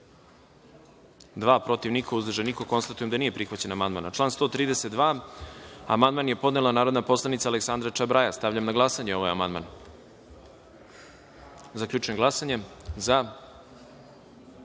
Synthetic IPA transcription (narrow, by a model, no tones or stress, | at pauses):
d̪ʋaːpɾo̞t̪iʋnikouzd̪r̩ʒenikoko̞nst̪at̪ujemd̪aniːje̞pɾixʋat͡ɕe̞namand̪ma̰ːnat͡ʃlˠaːnst̪o̞ːt̪ɾiːd̪eset̪̚d̪ʋaː | a̰mand̪maːnje̞po̞d̪nelanaːɾo̞d̪napo̞slˠanit̪saleksand̪ɾat͡ʂabɾajast̪aʋʎamnaɡlˠasaɲeo̞ʋajamand̪ma̰ːn | zakʎʲuːt͡ʃuemɡlˠasaɲe̞za